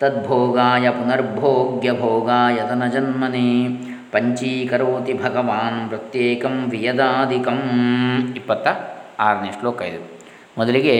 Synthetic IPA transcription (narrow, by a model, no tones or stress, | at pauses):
t̪ɐd̪̚bʱoːɡaːjɐpunɐɾbʱoːɡjɐbʱoːɡaːjɐt̪ɐnɐd͡ʒɐnmɐni | pɐɲt͡ʃiːkɐɾoːt̪ibʱɐɡɐʋaːnpɾɐt̪jeːkɐmʋijɐd̪aːd̪ʱikɐm | ipːɐt̪ːɐaːɾniːʂʈloːkɐ̰jd̪ṵ | mɔd̪ɐliɡe